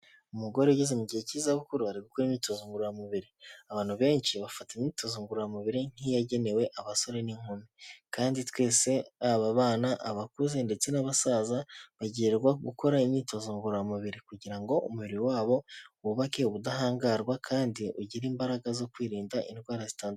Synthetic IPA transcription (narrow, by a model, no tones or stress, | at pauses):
umuɡo̞ɾeuɟezemuɟihe̞ciːzaβukuɾuhaɾiɡuko̞ɾimɲiːto̞zuːŋɡuɾjamuβiɾiaβaːn̥huβe̞ːɲʃiβafataimɲiːto̞zoːŋɡuɾojamuβiɾin̥ijaɟe̞ne̞we̞ʔaβaso̞ɾe̞niŋ̥umikaːnditwe̞ːse̞aβaβaːnaʔaβakuze̞nde̞t͡se̞naβasaːzaβaɟieɾɡwaɡuko̞ɾaimɲiːto̞zoŋɡuɾamuβiɾikuɟiɾaŋɡo̞ʔumuβiɾiwaːβo̞wuβake̞βudaɦaːŋɡaɾɡwakʰaːndiʔuɟiɾiːmbaɾaɡazo̞kwiːɾiːndaḭnɡwaːɾazitaːn